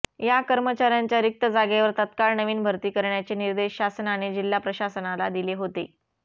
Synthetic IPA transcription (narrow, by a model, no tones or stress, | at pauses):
jakəɾmət͡ɕaɾjaɲt͡ɕjaɾik̚t̪əd͡zaɡeʋəɾt̪ət̪kaɭnəʋiːnbʱəɾt̪iːkəɾɳjat͡ɕiːniɾd̪eɕɕasənaɽ̃id͡ʑilːapɾəɕasənalad̪ileɦot̪ḛ